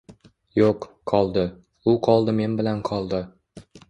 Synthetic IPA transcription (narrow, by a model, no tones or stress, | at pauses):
joq | qʰɒlˠd̪ɪ | ʊqʰɒlˠd̪ɪme̞nbɪlanqʰɒlˠd̪ɪ